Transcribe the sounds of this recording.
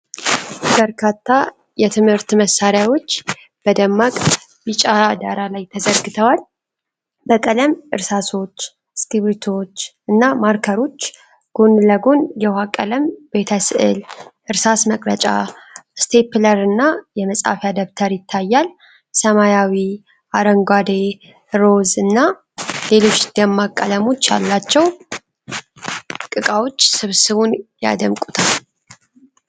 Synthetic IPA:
bəɾkʰat̪ʰːa | jɛt̪ʰɨmhɨɾt̪məsːaɾjawo̞t͡ʃː | b̥əd̪əmːakʼ | jit͡ʃʼad̪aɾalajt̪ʰəzəɾɡɨt̪ʰəwal | bəkʼələmʔɨ̰ɾsaso̞t͡ʃː | skiβit̪ʰo̞t͡ʃːʔɨnːamaɾkʰəɾo̞t͡ʃː | ɡ̥o̞nləɡo̞njɛwhakʼələmbe̞t̪ʰəsɨʔɨ̰lʔɨɾsasməkʼlət͡ʃʼa̰st̪ʰe̞pləɾɨnːajɛməsʼa̰fjad̪əβt̪ʰəɾjɪt̪ʰːajːal | səmajawi | ʔaɾəŋɡʷad̪e | ɾo̞zɨnːa | le̞lo̞t͡ʃːd̪̥əmːakʼːələmo̞t͡ʃːja̰lːat͡ʃːɛw | kʼɨkʼawo̞t͡ʃːsɨβsɨβunja̰d̪əmkʼut̪ʰal

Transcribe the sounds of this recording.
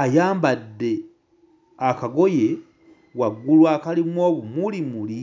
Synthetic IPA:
ajaːmbadːe̞ | akaɡo̞je̞ | waɡːulwaːkalimwo̞ːβumulimuli

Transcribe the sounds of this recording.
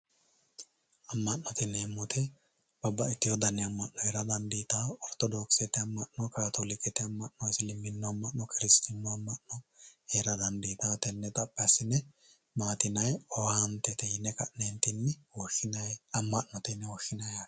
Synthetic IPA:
ɐmːɐnnɔt̪ɪnːɛːmːʊt̪ʰɛ | b̥ɐbːɐɪt̪ːɪjɔd̪ɐnːɛɐmːɐʔːɔeɾɐd̪ɐnd̪iːt̪aɔɾt̪ɔd̪ɔːksɛt̪ɛɐmːɐʔnɔkaːt̪olɪkʼːɛt̪ɛɐmːɐʔnɔsɪlɪmːɪnːɔɐmːɐʔnɔkʰɪɾɪst̪ɪnːɔɐmːɐʔnɔheɾɐd̪ɐnd̪iːt̪at̪ɛnːɛt̪ʼɐpʼːɐsɪnɛ | maːt̪ɪnɐjɔwant̪ɛt̪ɛjɪnːɛkɐʔneːnt̪ɪnːɛwɔɐmːɐːɔt̪ɪnːɛwɔʃːɪnɐja

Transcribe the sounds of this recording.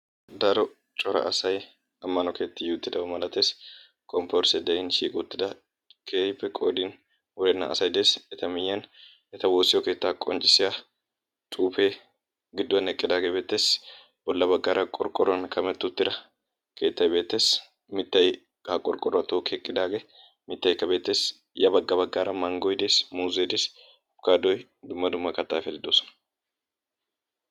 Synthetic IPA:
d̪ɐɾɔ | t͡ʃʼɔɾɐ̰ʔɐsɐj | ɐmːɐnɔkeːt̪ːɪjʊt̪ːɪd̪ɐbɐmɐlɐt̪eːs | kʼɔmpɔɾsɛd̪ɐjɪnʃiːkʼʊt̪ːɪd̪ɐ | kʰeːjpːɛkʼo̰ːd̪in | wɔɾɛnːɐ̰ʔɐ̰sɐjd̪esɛt̪ɐmɪjːɐn | ɛt̪ɐwoːsɪjɔke̞ːt̪ːakʼɔnt͡ʃʼːɪsɪa | t͡ʃʼuːfe | ɡɪd̪ːʊɐnɛkʼːɪd̪aːɡebeːt̪ːeːs | b̥ɔlːɐbɐɡːaːɾɐkʼɔɾkʼɔɾːɐnkʰɐmɛt̪ːʊt̪ːɪɾɐ | kʰe̞ːt̪ːɐjbeːt̪ːeːs | mɪt̪ːɐj | ɐkʼɔɾkʼɔrːɐt̪oːkɛkʼːɪd̪aːɡɛ | mɪt̪ːɐjkːɐbe̞ːt̪ːes | jɐbɐɡːɐbɐɡːaːɾɐmɐŋɡɔjd̪eːsmuːzeːd̪eːs | ɐfkaːd̪ɔj | d̪ʊmːɐd̪ʊmːɐkɐt̪ːaːfɛd̪ɪd̪oːsɔ̥nɐ̥

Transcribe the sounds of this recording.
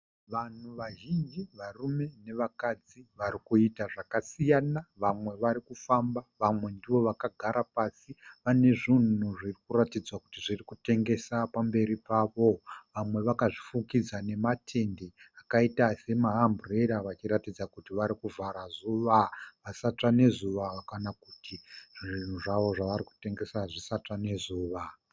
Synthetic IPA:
ʋan̤uʋaʒind͡ʒiʋarume̞ne̞ʋakad͡ziʋaɾikuitaʐakasijanaʋamwe̞ʋaɾikufambaʋamwe̞ndiʋo̞ʋakaɡʱaɾapasiʋane̞ʐin̤nuʐirikuɾatid͡zwakutiʐirikute̞ŋɡe̞sapambe̞ɾipaːʋo̞ʋamwe̞ʋakaʐifukid͡zane̞matʰe̞nde̞akaitase̞maɦambureɾaʋat͡ʃiɾatid͡zakutiʋaɾikuvʱaɾazuʋaʋasat͡ʂane̞zuʋakanakutʰiʐin̤uʐaʋo̞ʐaʋaɾiku̥te̞ŋɡe̞saʐisat͡ʂane̞zuːʋa

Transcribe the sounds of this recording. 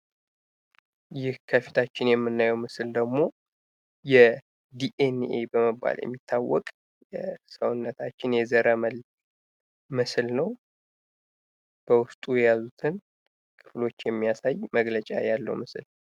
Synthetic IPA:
jɪhkʰəfi̥t̪ʰat͡ʃːɪnjɛmːɨnːajɛwmɨsɨld̪əɡmo̞ | jɛ | d̪iʔenebəmɨbːa̰ljɛ̰mːit̪ʰːawːɔ̰kʼ | jɛsəwʊnːət̪ʰat͡ʃːɪnjɛzəɾəməl | mɨslnəw | b̥əwʊst̪ʼujɛjazut̪ʰɨn | kʰɨ̥flo̞t͡ʃːjɛmːijasajməɡlət͡ʃʼa̰jalːə̰wmɨsɨl

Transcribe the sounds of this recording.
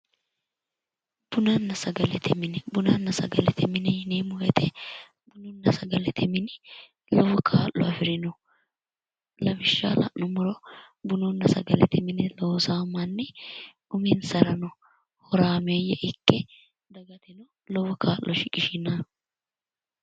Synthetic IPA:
b̥ʊnɐnːɐsɐɡɐlɛt̪ʰɛmɪnbʊnɐnːɐsɐɡɐlɛt̪ʰɛmɪnɛjnemʊjɛt̪ɛ | bʊnɔnːɐsɐɡɐlɛt̪ʰɪmɪnɪ | lɔwɔkʰaːlːɔɐfɪɾɪnɔ | lɐbɪʃːa̰ːlɐ̰ʔnɔmʊɾɔ | bʊnɔnːɐsɐ̰ɡɐlɛ̰t̪ɛmɪnɪloːsaːmɐnːɪ | ʊmɪnsɐɾɐnɔ | hɔɾaːmejɛʔɪkʼːɛ | d̪ɐɡɐt̪ɪnɔ | lɔwɔkʰaːlːɔʃɪkʼɪʃɪna

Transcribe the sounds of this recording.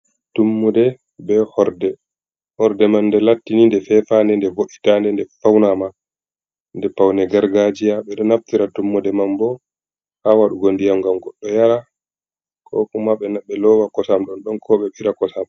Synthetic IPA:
tumːudɛ | bɛhɔɾdɛ | hɔɾdɛmanːdɛlatːinindɛfɛfandɛndɛvoʔitandɛndɛfawnama | ndɛpawnɛɡaɾɡad͡ʒijaɓɛɗɔnaftiɾatumːudɛmambɔ | hawaɗuɡondijamɡamɡɔɗːɔjaɾa | kʰɔ̰kumaɓɛnaɓɛlɔwakɔsamɗɔnɗɔnkʰɔɓɛɓiɾakɔsam

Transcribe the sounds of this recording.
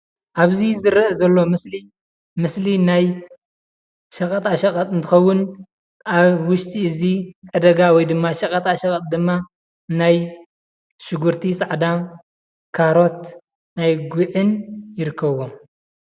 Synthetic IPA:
ʔaβzizɨɾɐʔzɐlːo̞mɨsli | mɨslinaj | ʃɐkʼɐt̪ʼaʃɐkʼɐt̪ʼɨnt̪ʰɨxɐwːʊn | ʔaβwʊʃt̪ʰiɨziʕɨd̪ɐɡawɔjd̪ɨmːaʃɐkʼɐt̪ʼaʃɐkʼɐt̪̚ʼd̪ɨmːa | naj | ʃɨɡuɾt̪ʰisʼaʕd̪a | kʰaɾo̞t̪ | najɡuʕɨnjɪɾɨkʰːɐβwom

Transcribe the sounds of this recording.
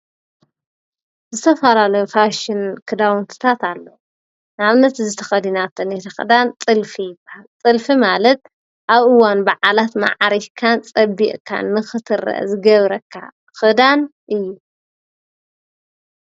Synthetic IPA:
zɨt̪ʰɐfɐlalɐjofaʃɪnkʰɨd̪awnt̪ʰɨ̥t̪ʰat̪alːɐw | naβnɐt̪zɨt̪ʰɐ̥xɐd̪inat̪ʰɨnet̪ʰɐxɨ̰d̪ant͡sʼɨlfijɪbɨhalt͡sʼɨlfimalɐt̪̚ | ʔaβɨwanbaʕalat̪ma̰ʕaɾikʰant͡sʼɐbḭʔʼkʰa̰nːɨxɨt̪ʰɨrːɐ̰ʔzɨɡɐβɾɐkʰːa̰ | xɨd̪anʔɨjːu

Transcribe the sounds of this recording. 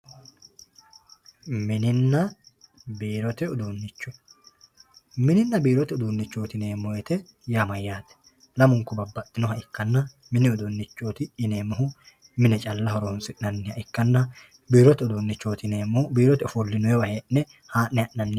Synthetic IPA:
mɪnɪnːɐ | biːɾɔt̪ɛʊd̪unːɪt͡ʃːɔ̥ | mɪnɪnːɐbiːɾɔt̪ɛʊd̪unːɪt͡ʃːoːt̪ɪne̞ːmːɔjɛt̪ɛ | jamɐjːaːt̪ɛ̥ | lɐmʊŋkːʊbɐbːɐt̪ːɪnɔɦɐʔɪkːɐnːɐ | mɪnɪʊd̪unːɪt͡ʃːoːt̪ɪːne̞ːmɔhʊ | mɪnɛt͡ʃʼɐlːɐɦɔɾoːnsɪʔnɐnːɪhɐʔɪkːɐnːɐ | biːɾɔt̪ɛʊd̪uːnːɪt͡ʃːoːt̪ɪneːmbiːɾɔt̪ɛɔfɔlːɪnɔɛwɐheːʔnɛ | haːʔnɪɐʔnɐnːɪ

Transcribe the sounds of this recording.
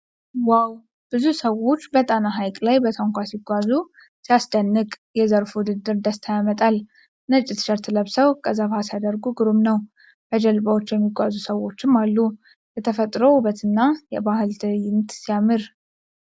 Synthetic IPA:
waw | b̥ɨzusəwo̞t͡ʃːbət̪ʼanaɦajkʼlajbət̪ʰaŋkʷʰasiɡʷazu | sijasd̪ənːɨkʼ | jɛzəɾfwʊd̪ɨd̪ɨɾd̪əst̪ʰajamət̪ʼal | nət͡ʃʼɪt̪ʃəɾt̪ʰɨləβsəwkʼəzːabhasjad̪əɾɡuɡɨɾumnəw | bʰəd͡ʒɛlbawot͡ʃːjɛmːiɡʷazusəwo̞t͡ʃːɪmːalːu | jɛt̪ʰəfət̪ʼɾouβət̪ʰɨnːajɛbahɨlt̪ɨjɪmt̪sijamɨɾ

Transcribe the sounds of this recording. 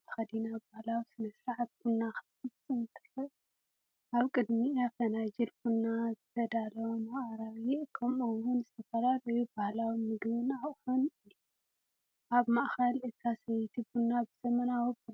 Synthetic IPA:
xɐd̪inabahlawisɨnɐsɾaʕat̪̚ɡunːaxɨ̥sɨsʼɨnt̪ʰɨɾɐ | ʔaβkʼɨd̪miafɐnad͡ʒilkunːazɨt̪ʰɐd̪alɐwmaʔɾaβjɪkʰɐmowunzɨt̪ʰɐfɐlalojubahlawimɨɡβɨnaχʼħonɨju | ʔaβmaʔxɐlɨk̪ʰasɐjt̪ʰibunːabɨzɐmɐnawib

